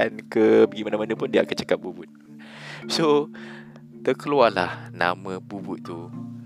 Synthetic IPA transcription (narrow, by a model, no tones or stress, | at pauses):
ʔankəbəɡimanãmanə̃pʊndiəakant͡ʃḁkap̚bubʊt̪̚ | so | t̪əkəluala̰hna̰mə̃bubut̪̚ːu